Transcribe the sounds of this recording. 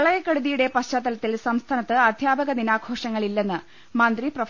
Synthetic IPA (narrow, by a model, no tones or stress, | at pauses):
ɐɭɐjɐkːɐɽuðijuɽe̞pɐɕt͡ɕaːt̪ːɐlɐt̪ːilsɐmst̪ʰaːnɐt̪ːɨɐd̪ʱjaːbɐɣɐninaːkʰo̞ːʂɐŋːɐɭilːe̞nːɨ | mɐnd̪riprɐ